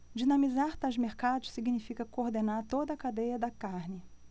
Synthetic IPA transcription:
d͡ʒinɐ̃mizaɾt̪azmeɾkad̪ʊsiɡinifikɐkoɾd̪enaɾt̪od̪ɐkad̪ejɐd̪ɐkaɾnɪ

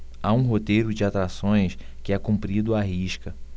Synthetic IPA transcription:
aũɦot̪ejɾʊd͡ʒɪat̪ɾasõj̃skɪɛkũmpɾid̪ʊaɦiʃkɐ

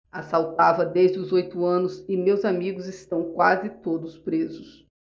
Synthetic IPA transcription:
asawt̪avɐd̪ezd͡ʒɪʊzojt̪ʊɐ̃nʊsɪmewzamiɡʊzɪst̪ɐ̃w̃kwazɪt̪od̪ʊspɾezʊs

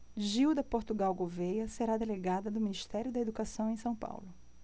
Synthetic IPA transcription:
ʒiwd̪ɐpoɾt̪uɡawɡovejɐseɾad̪eleɡad̪ɐd̪ʊminiʃt̪ɛɾjʊd̪ɐed̪ukasɐ̃w̃ẽj̃sɐ̃w̃pa̰wlʊ

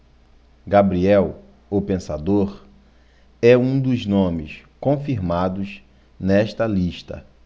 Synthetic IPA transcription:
ɡabɾiɛw | opẽsad̪oɾ | ɛũd̪ʊznõmɪ̰skõfiɾmad̪ʊz | nɛʃt̪ɐliʃt̪ɐ̰

